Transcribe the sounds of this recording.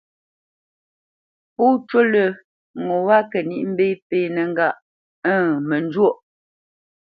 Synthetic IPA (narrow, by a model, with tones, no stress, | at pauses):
pu˦t͡ʃwo˦lə˨ | ŋo˨wa˦kə˨ni˦˨ʔm̩˦be˦peː˦˨nɛ˨ŋ̩˦ɡa˦˨ʔ | ə˦˨mə˨n˦d͡ʒwo˦˨ʔ